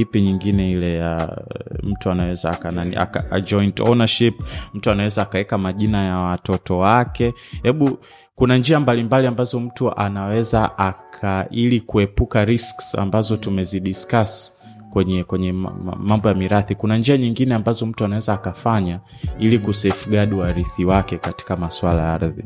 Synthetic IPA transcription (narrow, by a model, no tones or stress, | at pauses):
ipiɲiŋɡinɛilɛja̰ | m̩tuanawɛzaːkananḭa̰kaa̰d͡ʒɔjntɔ̰naʃipm̩tuanawɛzaːkawɛkamaʄinajawatɔtɔwakɛ | hɛɓu | kunand͡ʒiambalimbaliambazɔm̩tuʔanawɛzaʔakʰailikuɛpukaɾisksa̰mbazɔtumɛziɗiskas | kwɛɲɛkwɛɲɛ̰mambɔjamiɾaθikunand͡ʒiaɲiŋɡinɛambazɔm̩tuanawɛzaːkafaɲa | ilikusɛfuɠaɗiwaɾiθiwakɛkati̥kamaswalajaa̰ɾðḭ